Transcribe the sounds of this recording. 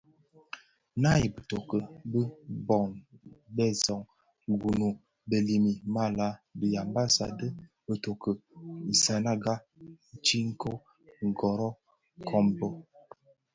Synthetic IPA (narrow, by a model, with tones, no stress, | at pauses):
na˦˨jbə˨to˨kə˨bə˦bɔ˨nbɛ˦zɔ˨ŋ˨ | ɡu˨nu˨ | bə˨li˨mi˨ma˦la˦bi˨ja˨mba˦sa̰˨də˦ | bə˨to˨kə˨i˨sa˨na˦ɡa˦˨ | t͡ʃi˦ŋ̩˦kʰo˦ | ŋ̩˨ɡɔ˨ɾɔ˦ | kʰɔ˦mbɔ˦